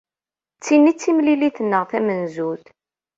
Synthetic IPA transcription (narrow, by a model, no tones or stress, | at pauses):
t͡sːinːit͡sːimliliθənːəʁθæmənzuθ